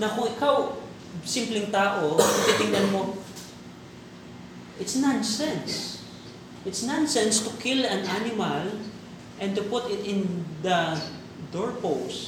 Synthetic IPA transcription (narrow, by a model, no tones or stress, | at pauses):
nɐkʊŋɪkaw | sɪmplɪŋt̪aːʔot̪ɪp̪it̪ɪŋd̪ɛnmo | ʔɪt̪snansɛ̃ns | ʔɪt̪snãnsɛ̃nst̪ʊkʰɪlɐ̃nʔanɪmal | ʔɛ̃nt̪ʊpʊt̪ɪt̪ɪ̃nd̪ɐ | d̪oɹpows